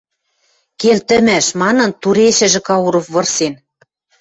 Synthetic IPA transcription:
kelt̪ɘ̆mæʃmɑnɤ̆nt̪uɾeʃɘ̆ʒɘ̆kɑuɾŏfβɤ̆rsen

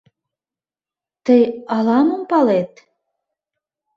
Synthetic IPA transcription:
t̪əjɑlɑmə̆mpɑlet̪

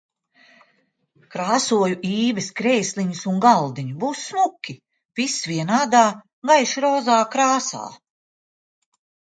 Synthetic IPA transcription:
kɾaːsuɔjuʔiːvɛskɾɛjsliɲusunɡalˠd̪iɲubuːsːmukʲi | pisviɛnaːd̪aː | ɡajʃɾɔːzaːkɾaːsa̰ː

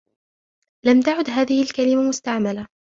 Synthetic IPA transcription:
lamt̪aʕʊd̪ɦaːðɪhɪlkalɪmamʊst̪aʕmala

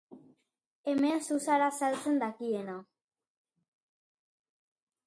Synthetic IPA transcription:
emensusaɾasalt͡se̞nd̪akiena

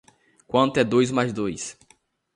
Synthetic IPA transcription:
kwɐ̃nt̪ʊɛd̪ojzmajzd̪ojs

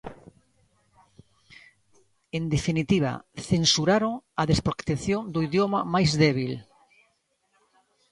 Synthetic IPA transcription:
end̪efinit̪iβa̰θensuɾaɾoŋɐðespɾokt̪eθjoŋd̪oiðjomamajzðɛβil

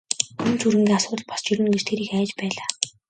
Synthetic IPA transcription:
unt͡sʰuɾɘ̆ŋɡʲiːŋasʊːt̪ə̆ɮpɔst͡ɕiɾɘ̆nɡet͡ɕt̪ʰeːɾiːkæːt͡ɕpæːɮaː

